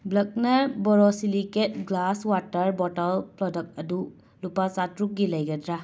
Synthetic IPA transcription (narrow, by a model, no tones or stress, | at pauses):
blɐk̚nɐbɔɾɔsiliket̚ɡlaswatɐɾbɔtɐlpɾɔdɐk̚t̚ɐdu | lupat͡ʃatɾuk̚ɡilɐjɡɐdɾa